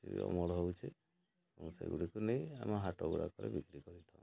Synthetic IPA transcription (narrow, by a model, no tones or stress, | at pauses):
sḭɔ̰mɔɽɦowt͡ʃʰe | ɔnusa̰jɡuɽikuneja̰maɦaʈoɡuɽa̰kɔɾḛbikɾikɔɾit̪ʰã